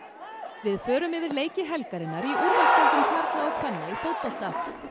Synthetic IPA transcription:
vɪðfœːɾʏmɪvɪɾleːjcɪɦɛlkaɾɪnːaɾiuɾast̪ɪlt̪ʏmkʰaɾt̪laɔkʰfɛnːaifowt̪̚pɔl̥t̪a

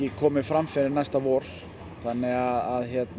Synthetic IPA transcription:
ɪkʰɔːmɪfɾamfɪɾɪɾnajst̪avɔːɾ̥ | θanːɪɣaðaðçjɛt̪n

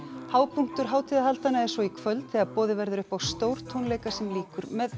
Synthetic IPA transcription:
haːwpʰuŋ̥t̪ʏɾ̥ɦaːwt̪ʰiːðaɦalt̪anːaɛɾ̥svɔikʰvœlt̪θɛɣaɾpɔːðɪvɛɾðʏɾʏhpawst̪oːwɾ̥t̪ʰownleːjkasɛmliːkʏɾmɛð

